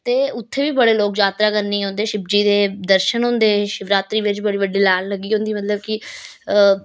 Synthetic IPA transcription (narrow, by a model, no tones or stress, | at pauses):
t̪eːʊt̪ʰːeːʋiːbəɽeːloːkd͡ʒaːt̪ɾaːkəɾniːɦõːnd̪eːʃɪb̚d͡ʒiːd̪eːd̪əɾʃənɦõːnd̪eːʃɪʋɾaːt̪ɾiːʋɪt͡ʃbəɽiːʋəɖːiːlaːlːəɡːiːɦõːnd̪iːmət̪ləbkɪ | ə